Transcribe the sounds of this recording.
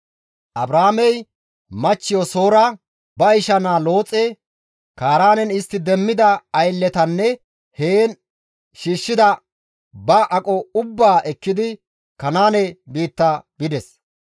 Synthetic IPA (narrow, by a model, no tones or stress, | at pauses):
ʔɐbɾaːmɛj | mɐt͡ʃːɪjɔso̞ːɾɐ | bɐɪʃɐnaːlo̞ːt͡sʼɛ | kaːɾaːnɛnɪst̪ːɪd̪ɛmːɪd̪ɐɐjlːɛt̪ɐnːɛ | heːn | ʃiːʃːɪd̪ɐ | bɐʔɐkʼɔʊbːaːʔɛkːɪd̪ɪ | kɐnaːnɛbiːt̪ːabɪd̪ɛs